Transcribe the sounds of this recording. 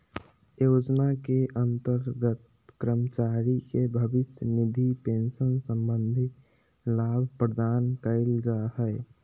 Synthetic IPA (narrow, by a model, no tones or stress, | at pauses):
jod͡ʒnakeʔənt̪əɾɡət̪ | kɾəmət͡ʃaɾikebʱəbɪsjənɪd̪ʱipẽnʃənsə̃mbənd̪ʱi | laːbʱpɾəd̪aːnkəɪld͡ʒaɦɛɪ